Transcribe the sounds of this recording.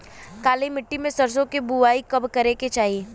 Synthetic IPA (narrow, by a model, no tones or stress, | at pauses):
kaːlimɪʈːimẽsɐɾs̬õkebuʋaːikɐbkɐɾeket͡ʃaːɦieː